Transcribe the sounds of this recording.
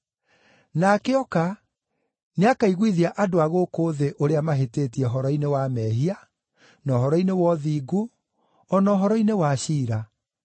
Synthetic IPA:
nakeɔka | neakaiɣwiðiaʔadoaɣokoːðeʔoɾeamaɦeteːtiɛɦɔɾɔinewamɛɦia | nɔɦɔɾɔinewɔðiːɡo | ɔnɔɦɔɾɔinewaʃiːɾa

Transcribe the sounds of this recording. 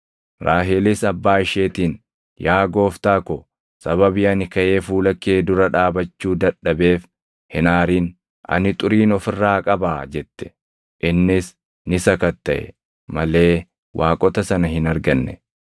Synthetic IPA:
ɾʔaːɦɪlɪsɐbːaːɪʃeːt̪iːn | jaːɡo̞ːft̪aːkɔ | sɐβɐbɪɐnɪkɐʔe̞ːfuːlɐkːe̞ːd̪ʊɾɐᶑaːbɐt͡ʃːuːd̪ɐᶑɐbe̞ːf | hɪnaːɾiːn | ʔɐ̰nɪt̪ʼʊɾiːnɔfɪrːaːkʼɐbaːd͡ʒɛt̪ːɛ̥ | ʔɪnːɪs | nɪsɐkɐt̪ːɐʔɛ̰ | mɐle̞ː | wʔaːkʼɔt̪ɐsɐnɐhɪnɐɾɡɐnːɛ

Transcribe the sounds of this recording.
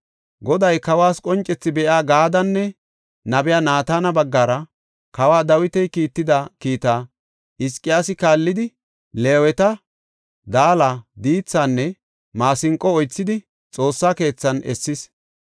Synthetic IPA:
ɡɔd̪ɐjkɐwaːskʼɔnt͡ʃʼːɛt͡sːɪbɛʔaːɡaːd̪ɐnːɛ | nɐbɪjaːnaːt̪aːnɐbɐɡːaːɾɐ | kɐwaːd̪ɐwɪt̪ɛjkiːt̪ːɪd̪ɐkiːt̪aː | ʔɪskʼːɪjaːsɪkaːlːɪd̪ɪ | le̞ːwɛt̪ɐ | d̪aːlad̪iːt͡sːaːnːɛ | maːsɪŋkʼːɔɔjt͡sːɪd̪ɪ | t͡sʼo̞ːsːaːke̞ːt͡sːɐnʔɛ̰sːɪs

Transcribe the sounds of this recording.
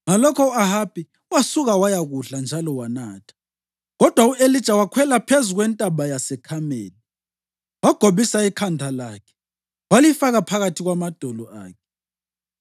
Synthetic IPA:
ŋalɔkʰɔahapʰʼi | wasuɣawajaɣuɬand͡ʒʱalɔwanaːtʰḁ | ɣɔd̥ʱwauʔelid̥ʒ̥ʱawakʰwɛlapʰezuɣwɛntʼaɓajasɛkʰamḛːli | waɡ̥ʱoβisaikʰandʱalaːkʰɛ̥ | walifaɣapʰaɣatʰiɣwamad̥ʱolɔʔa̰ːkʰɛ̥

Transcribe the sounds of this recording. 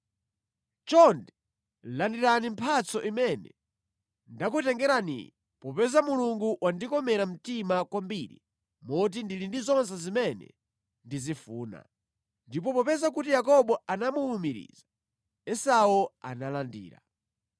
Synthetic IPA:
t͡ʃɔndɛ | landiɾanimpʰat͡sɔʔimɛnɛ | ndakutɛŋɡɛɾanḭ | pɔpɛzamuluŋɡuwandikɔmɛɾam̩timakwambiɾḭ | mɔt̬indilindizɔnsɛzimɛnɛ̰ | ndizifuːna̰ | ndipɔpɔpɛzakutijakɔɓɔanamuumiɾḭza | ɛsaua̰nalandḭːɾa̰

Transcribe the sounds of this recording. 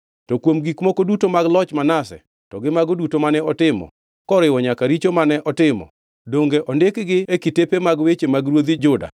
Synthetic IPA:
tɔkwomɡikmɔkodutomaɡlɔt͡ʃmanasɛ̰ | tɔɡɪmaɡodutomanɛɔtɪmɔ̰ | kɔɾɪwɔɲakaɾit͡ʃomanɛʔɔtɪmɔ̰ | doŋɡeʔɔndɪkɡɪekitepemaɡwet͡ʃemaɡɾwod̪id͡ʒʊda̰

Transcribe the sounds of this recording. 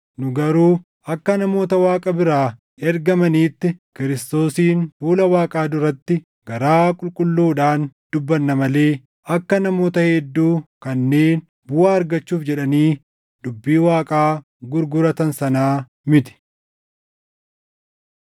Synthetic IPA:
nʊɡɐɾuː | ɐkːɐnɐmo̞ːt̪ɐwaːkʼɐbɪɾaː | ɛɾɡɐmɐniːt̪ːɪkɪɾɪst̪o̞ːsiːnfuːlɐwaːkʼaːd̪ʊɾɐt̪ːɪ | ɡ̥ɐɾaːkʼʊlkʼʊlːuːᶑaːnd̪̥ʊbːɐnːɐmɐle̞ː | ɐkːɐnɐmo̞ːt̪ɐhɛd̪ːuːkɐnːe̞ːn | bʊaːɐɾɡɐt͡ʃːuːfd͡ʒɛᶑɐniː | d̪̥ʊbːiːwaːkʼaː | ɡʊɾɡʊɾɐt̪ɐnsɐnaː | mɪt̪ɪ̥

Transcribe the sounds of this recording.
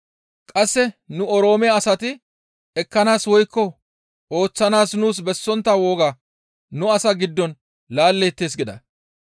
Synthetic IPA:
kʼɐsːɛnʊɔɾo̞ːmɪjaːsɐt̪ɪ | ɛkːɐnaːswɔjkːɔ | ʔo̞ːt͡sːɐnaːsnuːs̬bɛsːɔnt̪ːɐwo̞ːɡaː | nʊɐsɐɡɪd̪ːɔn | laːlːeːt̪ːe̞ːs̬ɡɪd̪ɐ̰

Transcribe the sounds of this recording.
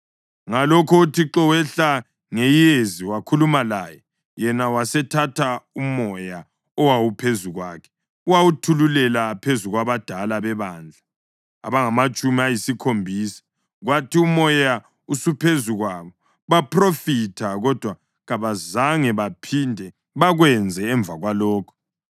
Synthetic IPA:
ŋalɔkʰɔutʰiǁɔwɛɬa | ŋejijeziwakʰulumalaːjɛ | jɛnawasɛtʰatʰaumɔja | ɔwawupʰezuɣwa̰kʰɛ̥ | uwawutʰululɛlapʰezuɣwaβad̥ʱalaβɛβaːnd͡ɮʱa | a̰βaŋamat͡ʃʼumiajisikʰombʱiːsḁ | ɣwatʰiumɔja | usupʰezuɣwaβɔ | βapʰrofitʰaɣɔd̥ʱwa | ɣaβazaŋɛβapʰindʱɛ | βaɣwɛnd͡zʱɛːɱb̪vʱaɣwalɔːkʰɔ̥

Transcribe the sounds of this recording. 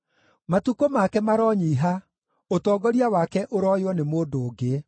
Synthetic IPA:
matukomakɛmaɾɔːɲiːɦa | otɔːɡɔɾiawakɛʔoɾɔjwɔnemoːndoːɡe

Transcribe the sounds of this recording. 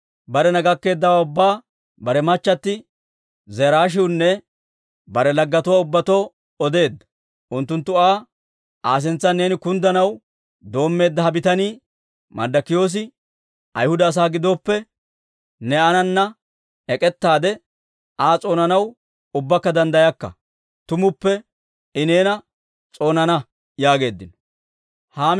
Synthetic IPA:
bɐɾɛnɐɡɐkːe̞ːd̪ːɐwaːʊbːaː | bɐɾɛmɐt͡ʃːɐt̪ːɪ | zɛɾaːʃ̬ɪwnːɛ | bɐɾɛlɐɡːɐt̪ʊwaːʊbːɐt̪oː | ɔd̪e̞ːd̪ːɐ̥ | ʔʊnt̪ːʊnt̪ːʊaː | ʔaːs̬ɛnt͡sːɐne̞ːnɪkʊnd̪ɐnɐw | d̪o̞ːmːe̞ːd̪ːɐhɐbɪt̪ɐniː | mɐ̰d̪ːɐkːɪjo̞ːs̬ɪ | ɐ̰jhʊd̪ɐːs̬aːɡɪd̪oːpːɛ | nɛɐnɐnːɐ | ɛkʼɛt̪ːaːd̪ɛ | aːt͡sʼo̞ːnɐnɐw | ʊbːɐkːɐd̪ɐnd̪ɐjɐkːɐ̰ | t̪ʊmʊpːɛ | ɪne̞ːnɐ | t͡sʼo̞ːnɐnɐ | jaːɡe̞ːd̪ːɪnɔ̥ | haːm

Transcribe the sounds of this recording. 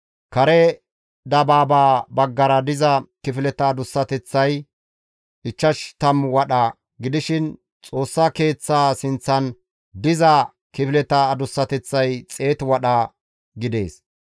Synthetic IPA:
kɐɾɛ | d̪ɐbaːbaːbɐɡːɐɾɐd̪ɪzɐkɪfɪlɛt̪ɐːd̪ʊsːɐt̪ɛt͡sːɐj | ɪt͡ʃːɐʃt̪ɐmwɐɗɐ | ɡɪd̪ɪʃɪn | t͡sʼo̞ːsːake̞ːt͡sːaːsɪnt͡sːɐn | d̪ɪzɐ | kɪfɪlɛt̪ɐːd̪ʊsːɐt̪ɛt͡sːɐjt͡sʼe̞ːt̪wɐɗɐ | ɡɪd̪e̞̰ːs

